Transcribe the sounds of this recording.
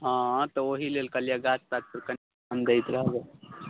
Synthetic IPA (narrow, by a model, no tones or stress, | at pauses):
ɦãt̪ɔoɦilelkəljaɡat͡ʃt̪at̪̚pəɾkən | and̪əjt̪ɾəɦɡa